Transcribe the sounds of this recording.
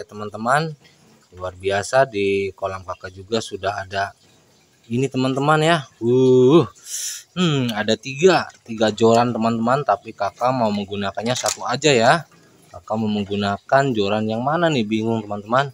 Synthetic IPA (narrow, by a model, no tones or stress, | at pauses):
at̪əmant̪əman | luarbiasadikolaŋkakad͡ʒuɡasudaɦada | init̪əmant̪əmanjauhm̩adat̪iɡat̪iɡad͡ʒoɾant̪əmant̪əmant̪apikakamauməŋɡunakanɲasak̪uad͡ʒaja | kakamauməŋɡunakand͡ʒoɾanjaŋmananɪbiŋʊŋt̪əmant̪əman